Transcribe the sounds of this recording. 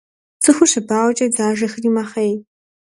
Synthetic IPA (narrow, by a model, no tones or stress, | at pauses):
t͡sʰɨxʷʊɕɐbaːwt͡ʃʼɐd͡zaːʒɐxriːmɐχej